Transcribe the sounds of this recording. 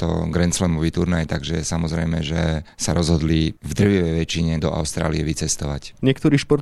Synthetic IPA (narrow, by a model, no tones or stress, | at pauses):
t̪ɔ̰ɡɾɛnt͡slɛmɔʋiːt̪uɾnajt̪aɡʒɛsamɔzɾɛjmɛʒɛsaɾɔzɦɔd̪livd̪r̩ʋiʋɛjʋɛt͡ʃːiɲɛd̪ɔʔa̰ʊst̪ɾa̰ːliɛʋit͡sɛst̪ɔʋa̰cɲɪɛk̚t̪ɔɾiːʃpɔɾ